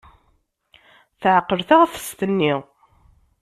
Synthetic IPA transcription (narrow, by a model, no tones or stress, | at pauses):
θʕəqːəɾθaʁθə̥st̪ənːiʁ